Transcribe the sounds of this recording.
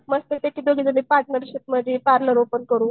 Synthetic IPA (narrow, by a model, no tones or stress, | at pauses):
məst̪et̪ekiːd̪oɡid͡zəlepaʈnəɾɕit̪məd͡ʑepaɾləɾopənkəɾuː